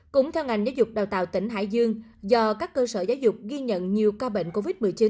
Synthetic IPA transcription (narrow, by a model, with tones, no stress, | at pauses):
kʊ̰˧˥ŋ͡mt̪ʰɛ˧wŋa˨˩jŋ̟zaː˨˦wzʊ˨˩k͡p̚ɗaː˨˩wt̪a̰ː˧˨wt̪ï˧˩ŋ̟ɦa̰ː˧˨jzɨ˧əŋzɔ˧˩kaː˦˥kːəː˧səː˧˩zaː˨˦wzʊ˨˩k͡p̚ɣi˧ɲə̰˧˨nɲi˨˩əwkaː˧ɓḛ˧˨n̟ko˧vi˦˥t̚mɨ˨˩əjt͡ɕi˨˦n